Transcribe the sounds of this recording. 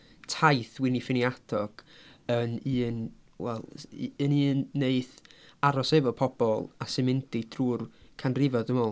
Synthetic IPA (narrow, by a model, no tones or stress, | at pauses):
tʰajθwɪnifɪniadɔɡ̥əniːnwɛ̰lˠəniːnːeɨθaɾɔsɛvɔpʰɔb̥ɔlˠasɪnmɪndid̥ruːrkʰanrɪvɔðəmɔlˠ